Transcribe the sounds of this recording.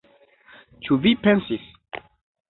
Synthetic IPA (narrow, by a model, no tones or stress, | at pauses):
t͡ʃuvipensis